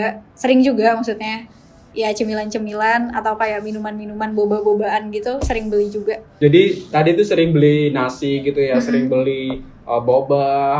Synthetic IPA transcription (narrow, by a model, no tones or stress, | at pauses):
asəɾɪŋd͡ʒuɡamaksut̪̚ɲa | jat͡ʃəmilant͡ʃəmilana̰t̪awkajaminumanminumanbobahbobaanɡit̪usəɾɪŋbəlɪhd͡ʒuɡaʔd͡ʒadit̪adit̪usəɾɪŋbəlɪhnasɪɡit̪ujasəɾɪŋbəlɪh | ʔəboba